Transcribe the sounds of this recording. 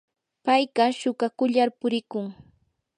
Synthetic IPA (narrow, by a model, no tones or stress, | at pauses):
pajɢɑʃʊɢakʊʎaɾpʊɾɪkʊŋ